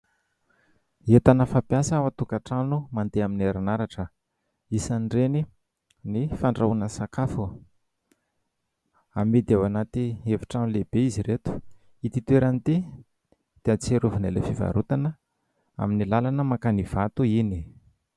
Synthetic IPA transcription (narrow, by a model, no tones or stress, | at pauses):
et̪anəfapjasawat̪ukaʈ͡ʂanumand̪eamineɾanaɾaʈ͡ʂə | isanɖ͡ʐeni | nifaɳɖ͡ʐaunəsakafu | amid̪awanat̪ieviʈ͡ʂanleb̥eiziɾet̪u̥ | it̪it̪weɾanit̪i | d̪̥eat͡seɾuvinelefiva̰ɾut̪anə | a̰minilalanəmakaniv̥at̪uini